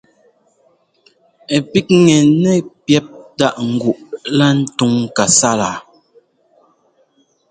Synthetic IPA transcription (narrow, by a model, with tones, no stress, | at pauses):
e˨pi˦k̚ŋɛ˨nɛ˦pjɛ˦p̚ta˦˨ʔŋ̩˨ɡu˨ʔla˦n̩˦tu˦ŋka˨sa˦la˨